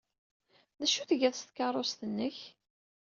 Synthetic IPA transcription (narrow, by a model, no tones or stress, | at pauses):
næʃuθʝæθst̪kɑrˤost̪ənːəç